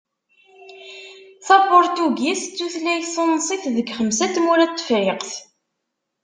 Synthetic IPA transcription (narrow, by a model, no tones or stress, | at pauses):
θæpʊɾt̪uɡist͡sːuθlæjsˤənːsˤiθðəɡχəmsæt̪muɾæt̪ːə̥fɾɪqθ